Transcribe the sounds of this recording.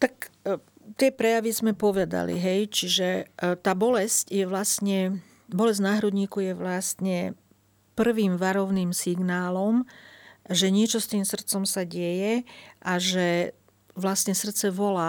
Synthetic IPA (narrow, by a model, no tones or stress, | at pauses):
t̪ak | t̪ɪɛpɾɛjaʋizmɛpɔʋɛd̪a̰lḭɦɛjt͡ʃiʒɛt̪aːbɔlɛscjɛʋlast̪ɲɛ | bɔlɛzɟnaːɦɾud̪ɲiːkujɛʋlast̪ɲɛ | pr̩ʋiːmʋaɾɔʊniːmsiɡnaːlɔm | ʒɛɲɪɛt͡ʃɔst̪iːmsr̩t̪t͡sɔmsaɟɛjɛʔaʒɛ | ʋlast̪ɲɛsr̩t̪t͡sɛʋɔlaː